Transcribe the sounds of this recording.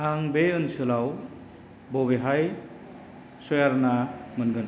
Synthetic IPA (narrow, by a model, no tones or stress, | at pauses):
ɦaŋbeʌnsʰɯlaw | boβeɦaj | sojaɾnamʌnɡʌn